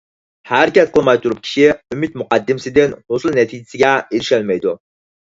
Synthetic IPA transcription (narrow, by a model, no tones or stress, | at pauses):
hæɾkʲɛt̪̚qʰəlˠmɑjt̪ʰuɾup̚kʲʰi̥ʃiymɪt̪muqɑd̪ːɪmsɪd̪ɪnhosɨlˠnɛt̪ʰid͡ʒɪsɪɡʲɛeɾɪʃɛlmɛjd̪u